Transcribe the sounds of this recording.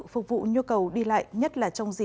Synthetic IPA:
fʊ˨˩k͡p̚vṵ˧˨ɲu˧kə˨˩wɗi˧la̰ː˧˨jɲə˦˥t̚laː˨˩t͡ɕɔ˧wŋ͡mzi˨˩

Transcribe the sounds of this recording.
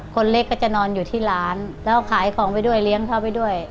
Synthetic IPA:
kʰo˧nle˦˧˥kːɔː˥˩t͡ɕa˨˩nɔː˧njuː˨˩t̪ʰiː˥˩laː˦˥nlɛː˦˥wkʰaː˨˩˦jkʰɔː˩˦ŋpa˧jdu˥˩əjli˦˥əŋt̪ʰa˥˩wpa˧jdu˥˩əj

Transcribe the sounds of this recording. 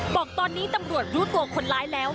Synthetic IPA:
bɔː˨˩k̚t̪ɔː˧nːiː˦˥t̪a˧mɾu˨˩ət̪̚ɾuː˦˥t̪u˧ɐkʰo˧nlaː˦˥jlɛː˦˥w

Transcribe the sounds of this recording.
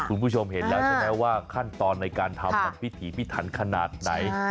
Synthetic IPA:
kʰu˧npʰu˥˩t͡ɕʰo˧mɦe˩˦nlɛː˦˥t͡ɕʰa˨˦ɛː˦˥waː˥˩kʰa˥˩nt̪ɔː˧nːa˧jkaː˧nt̪ʰa˧mka˨˩˦p̚ʰːi˦˥t̪ʰiː˩˦pʰi˦˥˩t̪ʰa˩˦nkʰa˧na̰ː˨˩t̪̚na˩˦j

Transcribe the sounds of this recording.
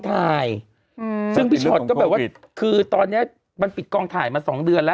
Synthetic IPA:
t̪ʰaː˨˧˩j | sɯ˥˩ŋbi˦˥ɔ˨˩t̚kɔː˥˩bɛː˨˩wa˥˩ | kʰɯː˧t̪ɔː˧nːi˦˥ɐ | ma˧npi˨˩t̪̚kɔː˧ŋt̪ʰaː˨˩jmaː˧sɔː˩˦ŋdɯ˧ənlɛ˦˥

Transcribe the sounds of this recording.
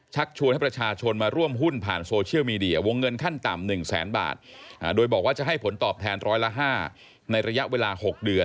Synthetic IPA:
t͡ɕʰa˦˥k̚t͡ɕʰu˧nha˥˩pɾa˧t͡ɕʰaː˧t͡ɕʰo˧nmaː˧ɾu˥˩əmɦu˥˩npʰa̰ː˨˩nsoː˧t͡ɕʰi˥˩əwmiː˧di˧ɐ˧wo˧ŋːɤ˧nkʰa˥˩nt̪a̰˨˩mnɯ˨˩ŋsɛ̰ː˩˦˥nba̰ː˨˩t̪̚ʔdoː˧jbɔː˨˩k̚waː˥˩t͡ɕa˨˩ɦa˥˩jpʰo˩˦nt̪ɔː˨˩p̚t̪ʰɛː˧nɾɔː˦˥jla˦˥ɦaː˥˩ | na˧jɾa˧ja˦˥ʔweː˧laː˧ho˨˩k̚dɯ˧ən

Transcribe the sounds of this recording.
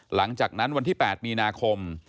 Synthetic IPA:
la˩˦ŋt͡ɕaː˨˩k̚na˦˥nwa˧nt̪ʰiː˥˩pɛː˨˩t̪̚miː˧naː˧kʰo˧m

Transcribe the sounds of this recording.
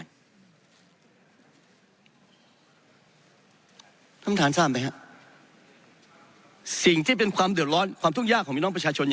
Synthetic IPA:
t̪ʰa˦˥mt̪ʰaː˩˦nsaː˥˩mpa˧jha˦˥ʔ | si˨˩ŋt̪ʰiː˥˩pe˧nkʰwaː˧mdɯ˨˩ət̪̚ɾɔː˦˥nkʰwaː˧mt̪ʰu˥˩ŋjaː˥˩kʰɔː˨˩˦piː˥˩˧ɔ˥pɾa˧t͡ɕaː˧t͡ɕʰo˧n

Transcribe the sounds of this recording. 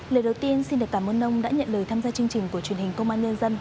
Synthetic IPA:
ləː˨˩ɗə˨˩wt̪i˧ənsi˧nɗɨ˨˩kaː˧˩mʔə˧nʔə˧wŋ͡mɗa̰ː˧˥ɲə̰˧˨nləː˨˩jt̪ʰaː˧mzaː˧t͡ɕɨ˧ŋt͡ɕï˨˩ŋ̟ku˧˩ət͡ɕwi˨˩ənhï˨˩ŋ̟kə˧wŋ͡mʔaː˧nɲə˧nzə˧n

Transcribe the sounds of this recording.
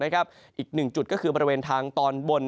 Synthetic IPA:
na˦˥kʰa˦˥p̚ | ʔiː˨˩k̚nɯ˨˩ŋt͡ɕu˨˩t̪̚kɔ˥˩kʰɯː˧bɔː˧ɾi˧weː˧nt̪ʰaː˧ŋt̪ɔː˧nbo˧n

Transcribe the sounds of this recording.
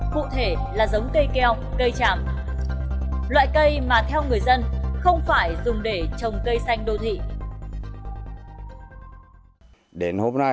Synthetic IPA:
kṵ˧˨t̪ʰe˧˩ | laː˨˩zə˨˦wŋ͡mkə˧jke˧ha˨wk͡p̚kə˧jt͡ɕaː˧˩m | lwa̰ː˧˨jkə˧jmaː˨˩t̪ʰɛ˧wŋɨ˨˩əjzə˧nxə˧wŋ͡mfaː˧˩jzʊ˨˩ŋ͡mɗe˧˩t͡ɕə˨˩wŋ͡mkə˧jsa˧jŋ̟ɗo˧t̪ʰḭ˧˨ | ɗe˨˦nho˧mna˧

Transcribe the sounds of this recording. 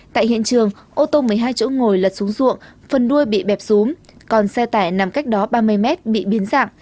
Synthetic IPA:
t̪a̰ː˧˨jhḭ˧˨ənt͡ɕɨ˨˩əŋ | ʔo˧t̪o˧mɨ˨˩əjɦaː˧jt͡ɕo̰˧˥ŋo˨˩jlə˨˩t̚su˨˦ŋ͡mzṵ˧˨əŋfə˨˩nɗu˧əjɓḭ˧˨ɓɛ˨˩p̚z̥u˨˦m | kɔ˨˩nsɛ˧t̪aː˧˩jna˨˩mka˦˥jk̟̚ɗɔ˨˦ɓaː˧mɨ˧əjmɛ˦˥t̚ɓḭ˧˨ɓi˨˦ənza̰ː˧˨ŋ

